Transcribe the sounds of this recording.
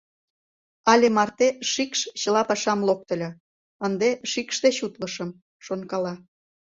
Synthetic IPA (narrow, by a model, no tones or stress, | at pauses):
ɑlʲemɑrt̪eʃikʃt͡ɕə̆lɑpɑʃɑmlok̚t̪ə̆lʲɤ̆ | ənd̪eʃikʃd̪et͡ɕut̪ləʃə̆m | ʃonkɑlɑ